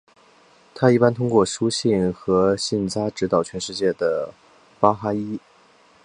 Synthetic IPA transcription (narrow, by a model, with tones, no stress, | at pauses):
t̪ʰa˥i˥˩pa˥nt̪ʰʊ˥ŋkwɔ˥˩ʂu˥ɕi˥˩nxɤ˧˥ɕi˥˩nt͡sa˥ʈ͡ʂɻ̩˧˥t̪ɑ˨˩ʊt͡ɕʰɥɛ˧˥nʂɻ̩˥˧t͡ɕjɛ˥˩d̪ə˩ | pa˥xa˥i˥